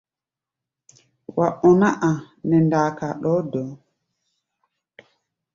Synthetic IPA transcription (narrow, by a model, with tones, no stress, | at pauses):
wa˨ɓɔna˦ʔa˨ | nɛ˨ndaː˨kaɗɔ˦dɔ˨